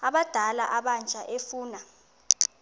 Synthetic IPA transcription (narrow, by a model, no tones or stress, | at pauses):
aɓad̥ʱalaʔaɓant͡ʃʼaʔefuːna